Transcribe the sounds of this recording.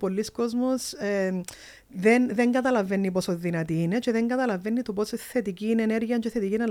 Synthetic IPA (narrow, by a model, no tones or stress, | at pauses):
polːiskozmose | ðenðeŋɡɐt̪ɐlɐvenːip̬osoðinɐt̪iːneceðeŋɡɐt̪ɐlɐvenːit̪oposeθet̪iciːneːneɾʝiɐnt͡ʃeθet̪icinɐ